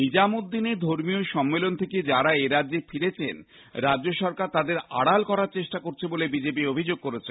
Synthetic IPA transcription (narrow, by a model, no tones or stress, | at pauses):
nid͡ʑamod̪ːined̪ʱoɾmioʃɔmːelont̪ʰeked͡ʑaɾaeɾaefiɾet͡ɕʰḛn | ɾadd͡ʑoʃɔɾkaɾt̪ad̪eɾa̰ɽalkɔɾaɾt͡ɕeʃʈakoɾt͡ɕʰebolebid͡ʑepiobʱid͡ʑoɡ̚koɾet͡ɕʰenn